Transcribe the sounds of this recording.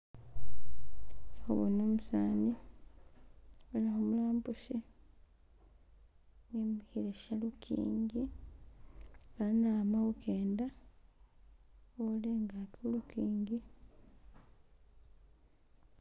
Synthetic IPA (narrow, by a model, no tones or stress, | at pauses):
o̰βunoːmusaːni | elahomulaːmbuʃi | ŋemihiɾeʃalukʰḭːŋɡi | alanaːmaɣukeːnda | oleŋɡakolukiːŋɡi